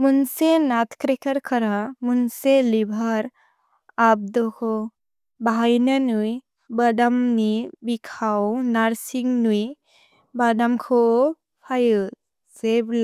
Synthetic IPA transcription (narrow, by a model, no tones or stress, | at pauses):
munsenat̪ʰkɾekʰəɾkʰəɾamunselibʱaɾ | ab̚d̪ɔkʰɔ | baɦajnanuj | badamnibikʰawnaɾsiŋnuj | badamkʰɔ | pʰajɯ | zebl